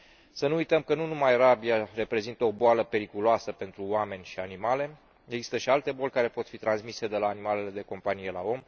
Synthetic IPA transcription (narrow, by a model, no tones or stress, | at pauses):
sənuujt̪əmkənunumajɾabiare̞pɾe̞zint̪əo̞boaləpe̞ɾikuloasəpe̞nt̪ɾuoame̞nʲʃianimale̞ | eɡzist̪əʃialt̪e̞bo̞lʲkaɾe̞po̞t̪fit̪ɾansmise̞d̪e̞laːnimale̞le̞d̪e̞ko̞mpanije̞la̰o̞m